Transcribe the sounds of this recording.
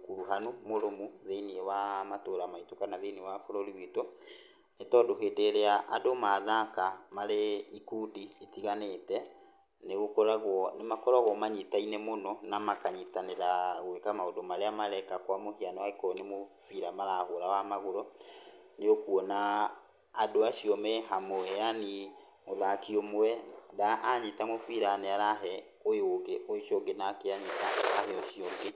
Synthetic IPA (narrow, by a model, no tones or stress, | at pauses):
kuɾuɦanomoɾomuðeiniewamatoːɾamaitokanaðeniewafoɾoɾiwito | netɔːdoɦeːdeɾeaʔadomaðakamaɾeikudiitiɣanetɛ | neɣokɔɾaɣwɔnemakɔɾɔɣwɔmaɲitainemonɔnamakaɲitaneɾaɣwekamaodomaɾeamaɾɛkakwamohianɔwaekɔnemofiɾamaɾahoɾawamaɣoɾɔ | neokuɔnaː | doaʃiɔmɛɦamoɛani | moðakiɔmoɛdaʔaɲitamofiɾanɛaɾaɦɛ | ojoɡeʔoʃiɔŋɡenakeaɲitaaɦɛɔɕiɔŋɡe